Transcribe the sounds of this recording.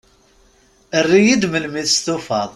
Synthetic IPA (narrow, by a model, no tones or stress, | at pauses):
ərːijid̪məlmiθst̪ufɑðˤ